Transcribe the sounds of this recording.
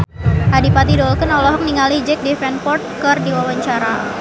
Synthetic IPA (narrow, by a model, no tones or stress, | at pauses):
ʔadipat̪̬idɔlkənɔlɔɦɔk̚niŋalid͡ʒɛk̚difɛnpɔrt̪̚kərdiwawaɲt͡ʃaɾa